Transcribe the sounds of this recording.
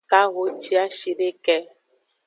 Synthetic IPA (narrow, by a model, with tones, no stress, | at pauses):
ka˦ɣo˦t͡ʃi˦a˦ʃi˨ɖe˦kɛ˦